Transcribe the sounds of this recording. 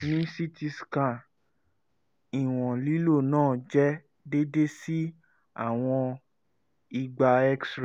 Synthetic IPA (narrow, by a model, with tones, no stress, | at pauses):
nĩ˨˦si˦ti˧skã˦˨ | i˨w̃ɔ̃˨li˨˦lo˦˨nãː˦˨d͡ʒɛ˦ | de˦de˦si˦ | a̰˦˨w̃ɔ̃˧ | i˧ɡ͡ba˧ɛ˦ksɾ